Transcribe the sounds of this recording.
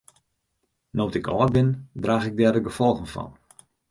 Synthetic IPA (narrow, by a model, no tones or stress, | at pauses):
notɪkʰɔːt̚bɪndraːxɪɡ̚dɛdəɡəfɔlˠɣənfɔ̰n